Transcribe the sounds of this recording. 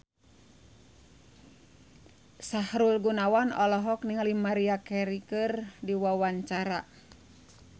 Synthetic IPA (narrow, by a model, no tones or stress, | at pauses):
sahɾulɡunawanɔlɔɦɔk̚niŋalimaɾiakɛɾikɨrdiwawaɲt͡ʃaɾa̰